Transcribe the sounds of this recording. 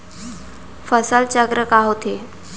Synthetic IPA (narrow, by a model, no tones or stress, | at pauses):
fəsəlt͡ɕəɡɾəkaɦot̪ʰe